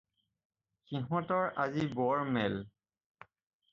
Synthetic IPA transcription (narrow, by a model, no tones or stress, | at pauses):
xiɦɔ̃tɔɹʔazibɔɹmɛl